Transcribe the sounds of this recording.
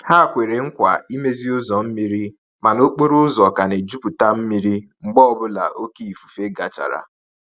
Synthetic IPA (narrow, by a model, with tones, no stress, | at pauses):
ha˦˨kʷe˨ɾe˨ŋ̩˦kʷa˨i˦me˦zi˦ʊ˦zɔ˨m̩˦mi˦ɾi˦ | ma˨no˦k͡po˦ɾʊ˦zɔ˨ka˨ne˨d͡ʒu˦pu˨ta˦m̩˦mi˦ɾi˦ŋ͡m̩˨ɡ͡bɔ˦ɔ˦bʊ˦la̰˨ʔo˦ke˦i˨fu˨fe˦ɡa˨t͡ʃa̰˨ɾa̰˨